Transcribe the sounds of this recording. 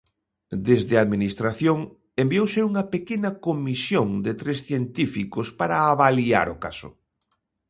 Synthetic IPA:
d̪ezðɪaðminist̪ɾaθjoŋ | embiowsɪuŋɐpekenɐkomisjoŋd̪et̪ɾesθjent̪ifikospaɾaːβalia̰ɾʊkasʊ̰

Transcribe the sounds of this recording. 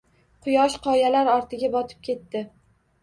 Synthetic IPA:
qʰʊjɒʃqʰɒjalaɾɒɾt̪ʰɪɡʲabɒt̪ʰɪ̥p̚kʲʰe̞t̪ːɪ

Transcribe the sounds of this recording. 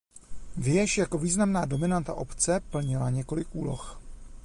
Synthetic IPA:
vjɛʃjako̞viːznamnaːdo̞mɪnant̪a̰ʔo̞pt͡sɛpl̩ɲɪlaɲɛko̞lɪkʔuːlox

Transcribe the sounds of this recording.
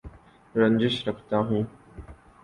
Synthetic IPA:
ɾə̃ɲd͡ʑɪʃɾəkʰt̪ãːɦũː

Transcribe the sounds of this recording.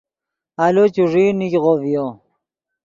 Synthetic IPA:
alot͡ɕuʐinikʁovjo

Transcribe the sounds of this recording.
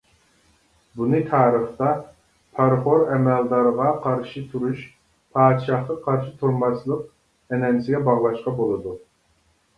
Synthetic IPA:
bunɨt̪ʰɑːɾəχt̪ɑ | pʰɑɾχoɾɛmɛld̪ɑɾəʁɑqʰɑɾʃit̪ʰuɾuʃ | pʰɑːd̪ʃɑχqɑqʰɑɾʃit̪ʰuɾmɑslˠəq̚ | ɛnɛnsɪɡʲɛbɑʁlˠɑʃqɑbolˠɨd̪u

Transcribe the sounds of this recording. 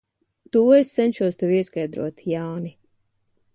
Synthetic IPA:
t̪uːest̪sɛnʲt͡ʃuɔst̪ɛwiɛskajd̪ɾṵɔt̪jaːni

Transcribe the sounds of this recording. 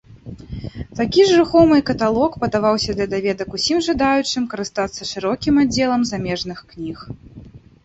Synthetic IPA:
t̪akʲiʐɾɨxɔmɨkɐt̪alˠɔkpɐd̪avawsʲɐd̪lʲɐd̪avʲɛd̪ɐkusʲimʐad̪ajut͡ʂɨmkɐɾɨst̪at̪sːɐʂɨɾɔkʲimad͡zʲːɛlˠɐmzamʲɛʐnɨxknʲix

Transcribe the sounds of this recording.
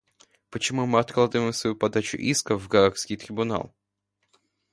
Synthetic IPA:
pət͡ɕɪmumɨɐt̪̚klˠad̪əvəɪmsvɐjupɐd̪at͡ɕʊ̰ʔiskəvɡɐɾakskʲɪjt̪ɾʲɪbʊna̰lˠ

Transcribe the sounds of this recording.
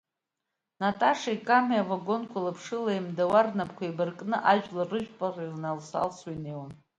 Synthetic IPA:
natʼaʂaikʼamiavaɡo̞nkʷʰalapʰʂɨlaimdawarnapʰʼkʷaibɨrkʼnɨʔaʒᶣlarɨʒᶣpʼarilnalsa̰lswajnejwam

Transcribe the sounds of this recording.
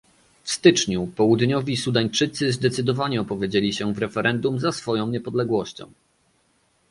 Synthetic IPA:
fst̪ɘt͡ʂɲupɔwud̪ɲɔvʲisud̪aɲt͡ʂɘt̪sɘzd̪ɛt̪sɘd̪ɔvaɲɛɔpɔvʲjed͡ʑelʲiɕɛvɾɛfɛɾʔɛnd̪umzasfɔjɔ̃w̃ɲɛpɔd̪lɛɡwɔɕt͡ɕɔ̰̃w̃

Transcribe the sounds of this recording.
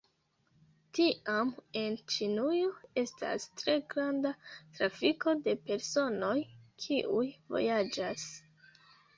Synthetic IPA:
tiʔame̞nt͡ʃinujo̞e̞sta̰stɾe̞ɡɾandatɾafiko̞de̞pe̞ɾso̞no̞jkʰiʔujvo̞̰jad͡ʒas

